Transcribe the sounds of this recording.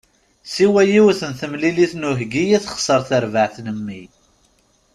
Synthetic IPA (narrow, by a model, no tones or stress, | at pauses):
siwæjiwθənθəmliliθnuɦɡijæθəχsˤəɾˤθəɾvəʕθnəmːi